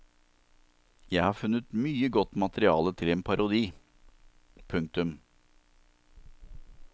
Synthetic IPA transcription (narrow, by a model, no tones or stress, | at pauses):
jæɪhɑːɾfʉnət̪myːəɡɔt̪ːmɑt̪əɾɪɑːlət̪ʰɪleːnpʰɑɾʊd̪iː | pʰʉŋk̚t̪ʉm